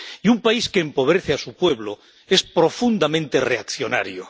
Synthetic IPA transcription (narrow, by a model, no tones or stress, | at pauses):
iumpaiskeːmpo̞β̞ɾeθeasupwe̞βlo | e̞spɾo̞fund̪amẽnt̪e̞reakθjo̞na̰ɾjo